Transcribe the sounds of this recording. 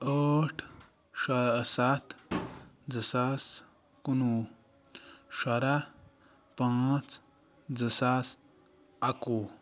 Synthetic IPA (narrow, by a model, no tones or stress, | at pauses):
əːʈʰ | ʂasat̪ | d͡zəsas | kunu | ʂaɾa | pãt͡s | d͡zəsas | aku